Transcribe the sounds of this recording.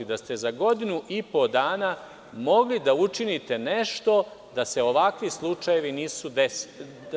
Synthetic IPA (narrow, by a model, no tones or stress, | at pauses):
id̪ast̪e̞zaɡo̞d̪inuʔipo̞d̪aːna | mo̞ɡlid̪aut͡ʂinit̪e̞ne̞ʃt̪o̞d̪ase̞o̞ʋakʋislˠut͡ʃaje̞ʋiniːsud̪es